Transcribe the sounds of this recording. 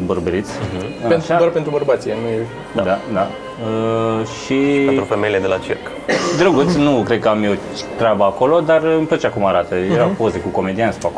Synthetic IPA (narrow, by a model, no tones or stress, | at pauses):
bərbəɾit̪sʲaet̪ʃaarpent̪ɾubəɾbat̪sijnuje | ad̪ad̪a | əʃiet̪ɾufemejiled̪elat͡ʃirk | d̪ɾəɡut̪sʲnukɾe̞d̪̚kəamio | t̪ɾeabəako̞lo̞d̪arɨmplət͡ʃakumaɾat̪əjeɾapo̞zekuko̞me̞d̪iansupak